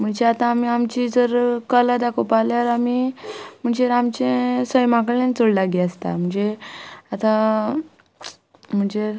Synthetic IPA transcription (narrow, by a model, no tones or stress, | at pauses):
m̤əɳd͡ʑeat̪ãːmiamt͡ɕid͡zəɾkəlad̪akʰopaljaɾamim̤əɳd͡ʑeɾamt͡ɕẽsəjmãkɭẽnt͡soɽlaɡiast̪a̰m̤əɳd͡zeat̪ã | m̤əɳd͡ze